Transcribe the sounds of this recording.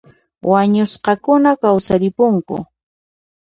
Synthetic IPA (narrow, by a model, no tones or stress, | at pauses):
waɲʊsqɑkʊnakawsaɾɪpʊŋkʊ̰